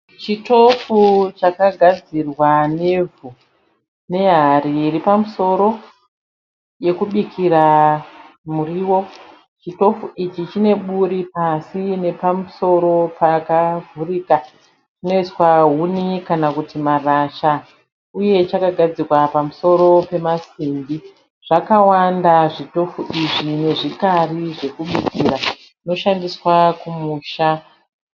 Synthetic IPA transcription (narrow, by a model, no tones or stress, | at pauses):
t͡ʃitofut͡ʃakaɡʱad͡zirwane̞vu | ne̞ɦariripamuso̞ɾo̞ | je̞kuɓikʰiɾa | muriwo̞ | t͡ʃito̞fuʔit͡ʃit͡ʃine̞ɓuɾipasine̞pamuso̞ɾo̞pakavʱuriːka | t͡ʃino̞it͡swaɦunikanakutimaraʃa | uje̞t͡ʃakaɡʱad͡zikwapamuso̞ɾo̞pe̞masimbi | ʐ̥akawandaʐito̞fuʔiʐine̞ʐikariʐe̞kuɓukiːra | ino̞ʃandiswakumuːʃa